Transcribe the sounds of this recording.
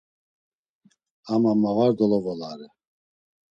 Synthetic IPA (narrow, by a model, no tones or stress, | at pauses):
amamavaɾd̪ɔlɔvɔlaɾɛ